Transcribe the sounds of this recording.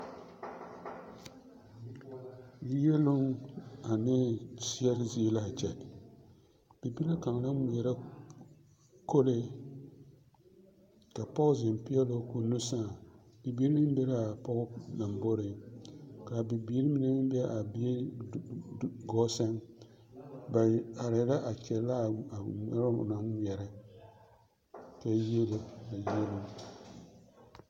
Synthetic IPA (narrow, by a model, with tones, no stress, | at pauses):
ji˦jɛ˦lʊ˦ŋa˨nɪː˦t͡ʃi˦ɛ˦ɾɪ˦zi˦e˦la˦˨t͡ʃɛ˨ | b̥i˨bi˦la˦ka˨ŋ˨la˦mi˨ɛ˨ɾa˦ | ko˦lɪ˦ | ka˨pɔ˦ʔʊ˦zɪ˨m˨pi˦ɛ˦lo˦ku˨nu˦sa˦˨ | dɪ˨biː˦ɾnɨ˦m˦bɛ˦ɾa˦a˨pɔ˦ɣʊ˦na˨mbo˦ɾɪ˨ | ka˨bi˨biː˨˦ɾi˦mi˨nɛ˦n˦bɛ˦ʔa˨bi˦e˦ | ɡɔ˦sa˦ŋ | ba˨a˨ɾɪ˨˦la˦ʔa˨t͡ʃɛ˨la˦˨a˨ɛ˦ɾ̰na˦ŋɲ˦ɛ˨ɾɪ˦ | kɛ˦je˦lo˦a˨je˦lu˦